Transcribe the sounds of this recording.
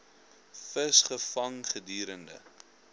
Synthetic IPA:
fəsχəfɐŋχədiːɾəndə̰

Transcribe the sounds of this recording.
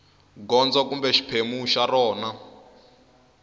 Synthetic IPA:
ɡɔnd͡zɔkumbɛʃi̥pʰemuʃarɔːna

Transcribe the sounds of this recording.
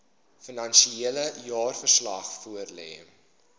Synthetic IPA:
fənɐnʃieələjɑːrfərslɐ̰χfuərlɛ̰ː

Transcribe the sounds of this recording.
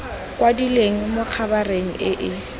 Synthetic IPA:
kʼwadileŋ̩mok͡xʰabareŋ̩ʔɪʔɪ

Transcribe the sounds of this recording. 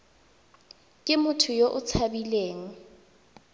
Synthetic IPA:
kʼɪmʊtʰʊjoʔʊt͡sʰabileːŋ̩

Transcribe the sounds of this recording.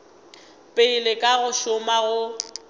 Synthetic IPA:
pʼeilɪkʼaɣʊʃʊmaɣʊ

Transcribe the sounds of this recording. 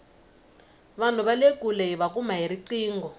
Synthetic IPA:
βan̤uβalekuleɦiβakumaɦiɾiǀiːŋɡɔ

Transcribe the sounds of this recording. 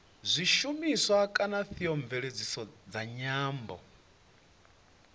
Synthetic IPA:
zʷiʃumisɔakʼanaθiɔɱvɛɺed͡zisɔd͡zaɲaːmbɔ̰

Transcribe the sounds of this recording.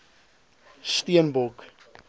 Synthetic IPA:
stiənbɔk

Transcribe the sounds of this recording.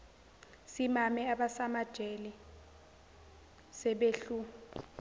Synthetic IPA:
simamɛaɓasamad̥ʒ̥ʱeli | sɛɓeɬu

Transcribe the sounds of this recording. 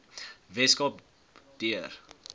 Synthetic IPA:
vɛskɔp̚ | d̥iər

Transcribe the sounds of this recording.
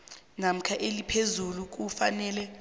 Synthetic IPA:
nam̩kʰaʔelipʰezuluk̬ufanɛːlɛ

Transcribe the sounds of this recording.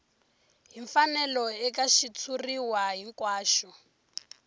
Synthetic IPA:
ɦiɱfanɛlɔɛkaʃit͡sʰuriwaɦiŋkwaːʃɔ

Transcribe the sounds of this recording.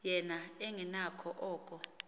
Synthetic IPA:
jɛnaeŋinakʰɔʔɔːkʼɔ

